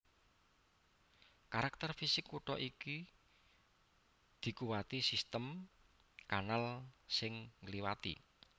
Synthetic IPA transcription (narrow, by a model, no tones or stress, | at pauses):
kaɾak̚t̪ərfisɪkwuʈɔ̰ʔiki | d̪̥i̤kuwat̪isist̪əm | kanalsɪŋːəliwat̪ḭ